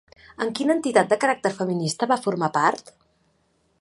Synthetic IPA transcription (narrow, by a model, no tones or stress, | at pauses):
əŋkinəːnt̪it̪at̪̚d̪əkəɾak̚t̪əɾfəminist̪əβafuɾmapaɾt̪